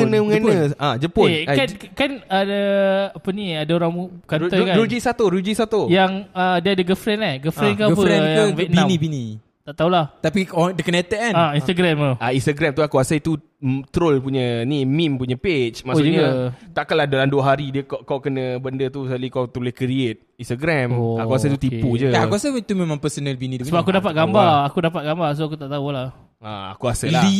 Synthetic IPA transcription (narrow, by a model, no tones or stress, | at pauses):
kənə̃ŋənəad͡ʒəpʊenankanadaapəniadaoɾaŋmukanɔkaɾud͡ʒisat̪oɾud͡ʒisat̪ojaŋədəadaɡəfɾɛnlahɡəfɾɛnkapuɛkjaŋvɛt̪̚nãmnibini | aʔt̪aulaht̪apidəkənet̪əʔanaint̪aɡɾɛməainst̪əɡɾɛmt̪uakuasat̪u | t̪ɾolpuɲənimimpuɲəpet͡ʃmaʔɲat̪aʔkalahdalanduəɦaɾidiəkaʔkawkənəbəndət̪usalikawt̪ɾulɪhkɾiet̪̚inst̪aɡɾɛmoakuasət̪ut̪ipud͡ʒəaakuasəit̪umemãŋpəsonəlbinidusəbapkudapat̪̚ɡambaakudapat̪̚ɡambars̬oakut̪aʔt̪aulah | a̰a̰kuasəlai